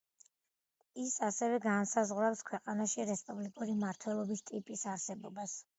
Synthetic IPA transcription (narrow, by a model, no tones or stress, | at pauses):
isasɛvɛɡansazʁwɾapskʰwɛqʼanaʃiɾɛspʼublikʼuɾimaɾt̪ʰwɛlˠɔbist̪ʼipʼisaɾsɛbɔbas